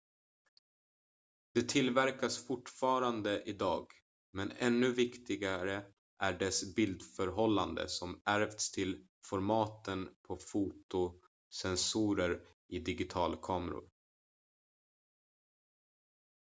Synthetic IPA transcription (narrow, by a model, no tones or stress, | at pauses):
d̪ɛt̪ʰɪlvæɾkasfʊʈfɑːɾand̪əʔɪd̪ɑːɡ | mɛnɛnːɵvɪkt̪ɪɡaɾə | ʔæɖɛsbɪld̪fœɾɦɔlːand̪ə̰sɔmʔæɾvt̪st̪ʰɪl | fɔɾmɑːt̪ənpʰɔfuːt̪ʊ | sɛnsuːɾəɾ | ɪd̪ɪɡɪt̪ʰɑːlkʰɑːmɾʊ̰ɾ